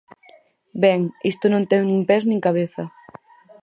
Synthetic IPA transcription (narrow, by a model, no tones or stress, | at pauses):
bɛŋist̪ʊnõnt̪ɛwnĩŋpɛznĩŋkaβ̞eθɐ